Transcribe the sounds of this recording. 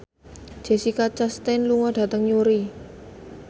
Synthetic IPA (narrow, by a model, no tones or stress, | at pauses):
d̥d͡ʒ̥e̤sikat͡ʃast̪ɛnluŋɔɖ̥a̤t̪əŋjuɾi